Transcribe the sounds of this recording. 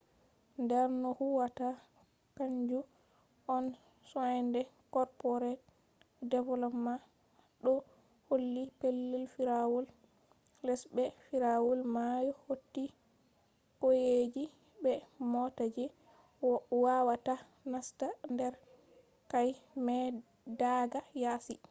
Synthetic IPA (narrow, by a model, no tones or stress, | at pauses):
ndɛɾnɔhuwata | kaɲd͡ʒu | ɔn | sɔjndɛkɔɾpɔɾɛ | dɛvɔlɔmːa | ɗɔ | holːipelːɛlfiɾawɔl | lɛsbɛfiɾawɔlmajɔhotːi | kɔjed͡ʒi | bɛmɔtad͡ʒɛ | wawata | nastandɛɾ | kajmɛ | daɡajasi